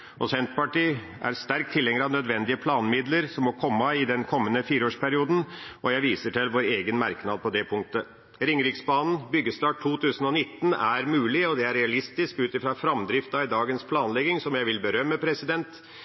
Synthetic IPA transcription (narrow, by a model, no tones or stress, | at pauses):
ʔɔsɛnt̪pɑʈiː | ʔæ̰ɾst̪æɾk̚t̪ʰːɪlɛŋəɾəɑʋnœd̪ʋɛnd̪ɪəpʰlɑːnmɪd̪ləɾsɔmːɔkʰɔmːɑɪd̪ɛnkʰɔmːənəfiːɾəoːʂpʰæɾɪuːd̪n̩ʔɔjæɪʋiːsəʈʰɪlʋoːɾeːɡənmæɾknɑd̪̚pʰɔd̪ɛpʰʊŋk̚t̪ə | ɾɪŋɾɪksbɑːnn̩bʏɡːəst̪ɑːʈʰːuːt̪ʰʉːsən̩ɔnɪt̪ːnæɾmʉːlɪɔd̪ɛæɾɛɑlɪst̪ɪskʉːt̪ɪfɾɑfɾɑmd̪ɾɪft̪ɑɪd̪ɑːɡənspʰlɑːnlɛɡɪŋsɔmjæɪʋɪlbəɾœmːəpʰɾɛsɪd̪ɛnt̪